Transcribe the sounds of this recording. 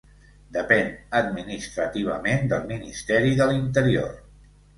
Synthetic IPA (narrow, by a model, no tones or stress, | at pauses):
d̪əpɛnəd̪minist̪ɾət̪iβ̞əmend̪əlˠminist̪ɛɾiðəlint̪əɾio̰r